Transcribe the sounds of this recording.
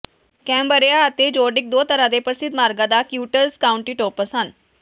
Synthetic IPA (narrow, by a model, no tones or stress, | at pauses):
kɛmbəɾjaːt̪ed͡ʑoɖik̚d̪ot̪əɾad̪epəɾsid̪maɾɡad̪akjuːʈəlskauɳʈiːʈopəsan